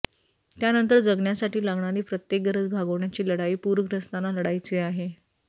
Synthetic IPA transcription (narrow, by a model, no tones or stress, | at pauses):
t̪janənt̪əɾd͡zəɡɳjasaʈiːlaɡɳaɾiːpɾət̪jek̚ɡəɾəd͡zbʱaɡəʋɳjat͡ɕiːləɽaiːpuɾəɡɾəst̪analəɽajt͡seaɦe